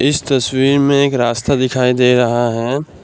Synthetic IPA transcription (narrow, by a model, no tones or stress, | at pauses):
ɪst̪ɐswiːɾmẽeːkɾaːst̪ad̪ɪkʰaːid̪eːɾɐɦaɦɛː